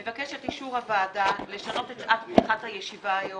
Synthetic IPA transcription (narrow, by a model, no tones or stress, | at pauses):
evake̞ʃetiʃuʁhavaːdale̞ʃano̞tetʔatminχathajeʃivaːjo